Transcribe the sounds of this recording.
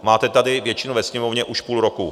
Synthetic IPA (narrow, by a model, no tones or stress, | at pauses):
maːt̪ɛt̪adɪvjɛt͡ʃɪnuvɛsɲɛmovɲɛʔuʃpuːlɾoku